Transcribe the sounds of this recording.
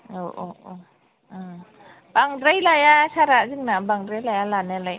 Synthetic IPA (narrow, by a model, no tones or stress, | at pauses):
oʔoo | b̥aŋdɾajlajasaɾazɯŋnabaŋdɾajlajalanelaj